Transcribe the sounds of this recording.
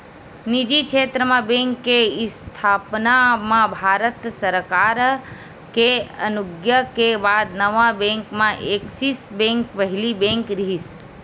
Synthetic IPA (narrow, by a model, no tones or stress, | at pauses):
nid͡ʒikʃʰeːt̪ɾəmãbẽŋkːeɪst̪ʰaːpnamãbʱaːɾət̪səɾkaɾ | keə̰nʊɡjəkebad̪nəʋãbẽŋkmãʔeksisbɛ̃ŋkpəɦlibẽŋkɾiɦis